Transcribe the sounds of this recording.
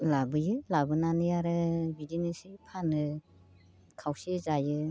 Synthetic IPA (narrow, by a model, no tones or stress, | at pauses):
labɯjɯlabɯnanɯjaɾɯbidinɯsipʰanɯ | kʰawsizajɯ